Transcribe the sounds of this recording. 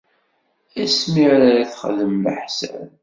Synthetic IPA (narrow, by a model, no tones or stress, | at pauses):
æsmiʕɾaɾaθχəðəmlə̰ħsæ̰